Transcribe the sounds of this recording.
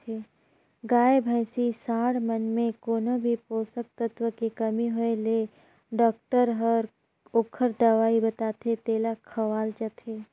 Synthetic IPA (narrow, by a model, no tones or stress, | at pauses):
eː | ɡaːebʱaːɪsisaːɽmənmẽkoːnəbʱipoːsək̚t̪ət̪ʋətkekɐmiɦoele | ɖɔːk̚ʈəɾɦəɾ | okʰːəɾd̪ɐʋaːibɐt̪aːt̪ʰet̪eːlakʰɐʋaːlt͡ʃat̪ʰeː